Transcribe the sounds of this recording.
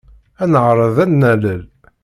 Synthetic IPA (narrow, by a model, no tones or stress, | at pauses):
ænəʕɾˤəðænːæləl